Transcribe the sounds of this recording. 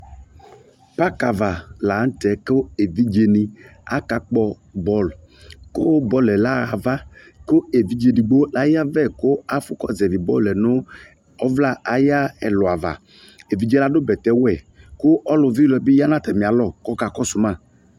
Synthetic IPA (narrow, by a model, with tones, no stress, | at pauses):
pa˦ka˨va˨la˨˦n̩˦tɛ˨˦kʊ˦e˨vi˦d͡ʒe˧ni˧a̰˦ka˨k͡pɔ˧ | bɔ˦l | kʊ˦bɔ˨˦lɛ˨la˦ɣa˨va˦ | kʊ˦e˨vi˦d͡ʒe˧ni˨ɡ͡bo˦la˨ja˦vɛ˦˨kʊ˦a˦fʊ˦kɔ˦zɛ˨vi˨bɔ˦˨lɛ˨nʊ˦ | ɔ˦vla˦a˨ja˦ɛ˨lʊ˨a˨va̰˨ | e˨vi˨d͡ʒe˦la˦dʊ˦bɛ˨tɛ˨˦wɛ˨ | kʊ˦ɔ˦lʊ˧vi˦lɛ˧˦bɪ˦ja˦na˦˨tɛ˨mi˨a˨lɔ˦˨kɔ˦ka˨kɔ˦sʊ˨ma˦˨